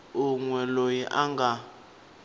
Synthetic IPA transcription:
uŋwɛlojiʔaŋɡʱa

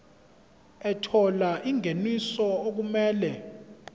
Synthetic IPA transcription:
ɛtʰɔlaʔiŋenisɔok̬umɛːlɛ

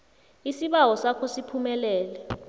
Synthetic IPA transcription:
isiɓawɔsakʰɔsipʰumɛlɛːlɛ

